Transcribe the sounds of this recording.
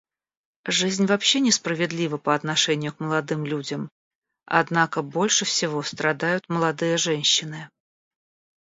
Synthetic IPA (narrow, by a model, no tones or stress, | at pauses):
ʐɨzʲnʲvɐpɕːe̞nʲɪspɾəvʲɪd̪lʲivəpəɐt̪nɐʂɛnʲɪjʊkməlˠɐd̪ɨmlʲudʲəm | ɐ̰d̪nakəbo̞lʲʂɨfsʲɪvo̞st̪ɾɐd̪ajʊt̪məlˠɐd̪ɨjəʐɛnʲɕːɪnɨ